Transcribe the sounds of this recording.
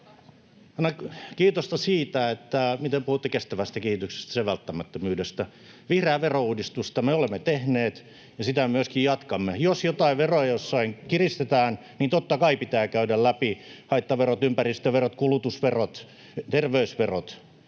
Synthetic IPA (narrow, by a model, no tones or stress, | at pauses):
ɑinɑkiːt̪ost̪ɑsiːt̪æet̪ːæmit̪epuhut̪ːekest̪æʋæst̪ækehit̪ykse̥st̪æ̥seʋælt̪ːæmæt̪ːømyːdest̪æ | ʋihreæːʋerouːdist̪ust̪ɑmeolemːet̪ehneːt̪ | jɑsit̪æemyøskijjɑt̪kɑmːejosjot̪ɑiʋerojɑjosːɑiŋkirist̪et̪æːn | niːnt̪ot̪ːɑkɑipit̪æːkæydællæpihɑit̪ːɑʋerot̪ympærist̪øʋerot̪kulut̪usʋerot̪ | t̪erʋeysʋerot̪